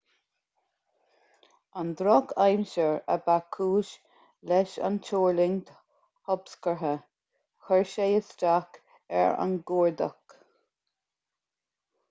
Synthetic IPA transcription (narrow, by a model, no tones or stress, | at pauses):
and̪ɾɔkʰajmʃəɹə̰bakʰuːʃ | lɛʃa̰nt͡ʃoːɹlɪŋt̪ | hɔbskəɹɦə | xəɹʃejəstak | ɛ̰ɹa̰nɡuːɹd̪ə̰k